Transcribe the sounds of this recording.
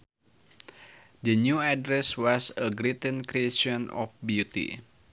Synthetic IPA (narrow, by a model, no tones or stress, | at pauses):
dənjuadɾɛswɔsəɡɾit̪ə̃nkɾieʃɔnɔ̰fbjut̪ḭ